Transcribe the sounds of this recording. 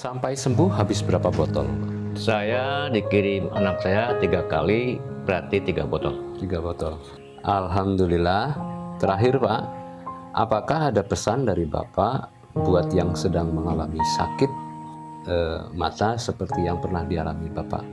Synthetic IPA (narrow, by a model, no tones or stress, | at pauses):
sampajsəmbʊhɦabɪsbəɾapabɔt̪ɔ̰l | sajadikiɾima̰nak̚sajat̪iɡaka̰libəɾat̪it̪iɡabɔt̪ɔlt̪iɡabɔt̪ɔl | ʔalɦamdulilaht̪əɾaɦɪrpa | ʔa̰pakaɦadapəsandaɾiba̰pa | buat̪jaŋsədaŋməŋalamisa̰kɪt̪̚ | əma̰t̪asəpərt̪ijaŋpərnahdialamibapa̰